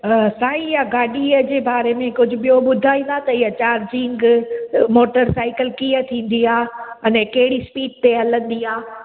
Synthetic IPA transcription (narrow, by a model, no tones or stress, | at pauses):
saːĩjaɡaːɗiəd͡ʑeːbaːɾemẽkʊd͡ʑʱʊɓijoɓʊd̪ʱaːĩːnd̪at̪ɐɪɦat͡ɕaːɾd͡ʑĩːŋɡmoːʈəɾsaːɪkəlkiːət̪ʰĩːn̆d̪iaːɐnɛkɐɦɪɽispiːɖ̚t̪eɐlə̃nd̪iːaː